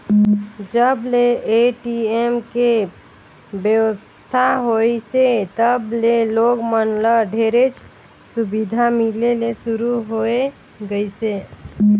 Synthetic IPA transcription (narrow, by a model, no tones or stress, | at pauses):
d͡ʒəbleeʈiemke | bjəwʋəs | t̪ʰaɦojset̪əbleloɡmənləɖʱeɾet͡ʃʰ | subid̪ʱamilelesuɾuɦoe | ɡəise